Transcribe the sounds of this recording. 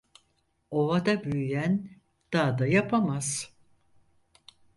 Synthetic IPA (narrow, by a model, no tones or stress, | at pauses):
o̞vad̪abyjyjæn | d̪̥aːd̪ajapʰamaz̥